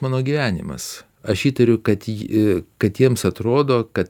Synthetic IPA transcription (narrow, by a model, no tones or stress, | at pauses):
mɑːnoːɡʲiːʋʲæːnʲɪ̰mɐ̰s | ɐʃiːt̪ɐɾʲʊkɐt̪kɐt̪jiɛmsɐt̪ɾoːd̪oːkɐt̪